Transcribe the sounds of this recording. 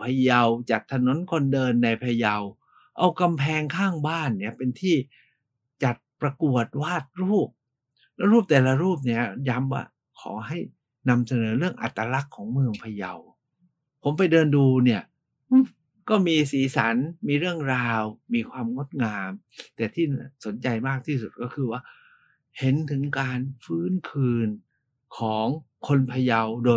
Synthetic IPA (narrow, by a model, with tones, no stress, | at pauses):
pʰa˧ja˧wt͡ɕa˨˩t̪ʰːa˧no˨˦nkʰo˧ndɤː˧nːa˧jpʰa˧ja˧w | ʔa˧wka˧mpʰɛː˧ŋkʰaː˥˩ŋbaː˥˩nːi˥˩ɐpe˧nt̪ʰiː˥˩ | t͡ɕa˨˩t̪̚pɾa˧ku˨˩ət̪̚waː˥˩t̪̚ɾuː˥˩p̚ | lɛː˦˥wɾuː˥˩p̚t̪ɛː˨˩la˧ɾuː˥˩p̬̚ni˥˩ɐja˦˥mwa̰ː˥˩ | kʰɔ̰ː˩˦ɦa˥˩j | na˧msa˧nɤː˩˦ɾɯ˥˩əŋʔa̰˨˩t̪ːa˧la˦˥kʰːɔː˩˦ŋmɯ˧əŋpʰa˧ja˧w | pʰo˩˦mpa˧jdɤː˧nduː˧ni˥˩ɐ | ʔɯ˥˩ | kɔː˥˩miː˧siː˩˦sa˩˦nmiː˧ɾɯ˥˩əŋɾaː˧wmiː˧kʰwaː˧mŋo˦˥˩t̪̚ŋaː˧m | t̪ɛː˨˩t̪ʰiː˥˩n˥˩so˨˩˦nt͡ɕa˧jmaː˥˩k̚t̪ʰiː˥˩su˨˩t̪̚kɔː˥˩kʰɯː˧waː˥˩ | he˨˦nt̪ʰɯ˩˦ŋkaː˧nfɯː˦˥˩nkʰɯː˧n | kʰɔː˩˦ŋkʰo˧npʰa˧ja˧wdoː˧